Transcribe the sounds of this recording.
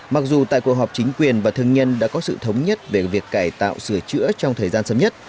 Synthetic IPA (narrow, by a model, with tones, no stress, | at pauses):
ma˨˩k̚zu˨˩t̪a̰ː˧˨jku˨˩ɦɔ˨˩p̚t͡ɕi˨˦ŋ̟kwi˨˩ənvaː˨˩t̪ʰəŋɲə˧nɗa̰ː˧˥kɔ˨˦sɨ̰˧˨t̪ʰə˨˦wŋ͡mɲə˦˥t̚ve˨˩vi˨˩əkːaː˧˩jt̪a̰ː˧˨wsɨ˧˩ət͡ɕɨ̰˧˥ət͡ɕɔ˧ŋ͡mt̪ʰəː˨˩jzaː˧nsəː˨˧˦mɲə˦˥t̚